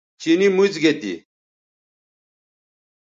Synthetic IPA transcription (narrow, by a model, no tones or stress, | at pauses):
t͡ɕinimuzɡet̪ḭ